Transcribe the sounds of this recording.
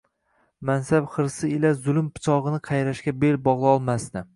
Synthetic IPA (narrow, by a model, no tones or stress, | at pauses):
mansabχɨɾsɪɪlazʊlɪmpʰɪ̥t͡ʃʰɒʁɨnɪqʰɑjɾaʃkʲabelbɒʁlˠɒlˠmast̪ɪ